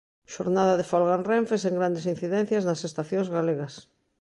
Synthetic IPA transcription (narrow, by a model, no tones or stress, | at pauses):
ʃoɾnaðaðefalɣanreɱfeseŋɡɾand̪esin̟θiðɛn̟θjaznɐsest̪aθjõŋzɣaleɣɐs